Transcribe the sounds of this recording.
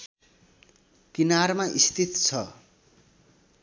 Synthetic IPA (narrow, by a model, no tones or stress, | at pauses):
kinarmaist̪ʰit̪t͡sʰʌ